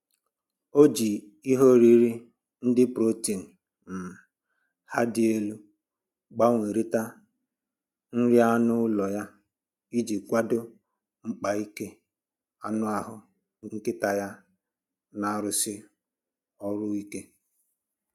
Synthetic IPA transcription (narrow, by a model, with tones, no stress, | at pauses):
o˦d͡ʒi˨ | i˦ɦo˦ɾi˦ɾi˦ | n̩˦dɪ˦pɾo˦ti˨n̩˨ | m̩˨ | ha˦dɪ˦e˦lu˦ | ɡ͡ba˦ŋʷe˨ɾi˦ta˦ | n̩˦ɾja˦nʊ˦lɔ˨ja˦ | i˦d͡ʒi˨kʷa˦dʊ˦ | ŋ͡m̩˦k͡pa˨i˦ke˦ | a˦nʊ˦a˨ɦʊ˨˦ | ŋ̩˦kɪ˦ta˨ja˦ | na˨˦ɾʊ˨sɪ˦ | ɔ˦ɾʊ˦i˦ke˦